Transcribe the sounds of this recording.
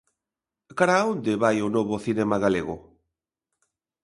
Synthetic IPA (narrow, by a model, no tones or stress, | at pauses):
kaɾaond̪eβajʊnoβʊθinɛmaɣaleɣʊ̰